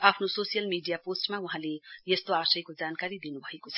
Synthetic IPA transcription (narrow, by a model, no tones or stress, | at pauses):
apʰnososijʌlmiɖijaposʈmauɦãlejest̪oasʌjkod͡zankaɾid̪inubʱʌekot͡sʰʌ̥